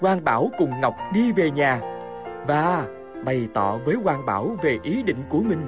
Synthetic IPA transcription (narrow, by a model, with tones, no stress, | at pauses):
kwaː˧nɓaː˧˩wkʊ˨˩ŋ͡mŋa˨˩wk͡p̚ɗi˧ve˨˩ɲaː˨˩ | vaː˨˩ | ɓə˨˩jt̪ɔ̰˧˨vəː˨˦jkwaː˧nɓa̰ː˧˩wve˨˩ʔi˨˦ɗḭ̈˧˨ŋ̟ku˧˩əmï˧˩ŋ̟